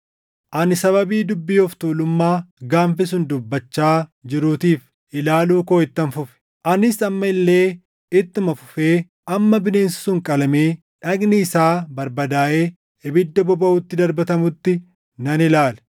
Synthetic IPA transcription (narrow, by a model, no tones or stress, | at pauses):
ʔɐnɪsɐβɐbiːd̪ʊbːiːɔft̪uːlʊmːaːɡaːmfɪs̬ʊnd̪ʊbːɐt͡ʃːaːd͡ʒɪɾuːt̪iːf | ʔɪlaːluːko̞ːɪt̪ːɐnfʊfɛ̥ | ʔɐnɪsɐmːɐɪlːe̞ː | ɪt̪ːɪmɐfʊ̥feː | ʔɐmːɐbɪne̞ːnsɪsʊŋkʼɐlɐmeː | ᶑɐɡnɪɪsaːbɐɾbɐd̪aːʔe̞ː | ɪbɪd̪ːɐbɔbɐʊt̪ːɪd̪ɐɾbɐt̪ɐmʊt̪ːɪ | nɐnɪlaːlɛ̥